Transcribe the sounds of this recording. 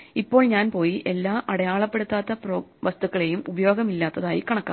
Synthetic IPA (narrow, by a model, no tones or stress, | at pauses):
ipːo̞ːɭɲaːnpo̞ːjiʔe̞lːaːʔɐɽɐjaːɭɐpːe̞ɽut̪ːaːt̪ːɐproːʋɐst̪uɣːɐɭe̞jumubɐjo̞ːɡɐmilːaːt̪ːɐðaːjikɐɳɐkːa̰ː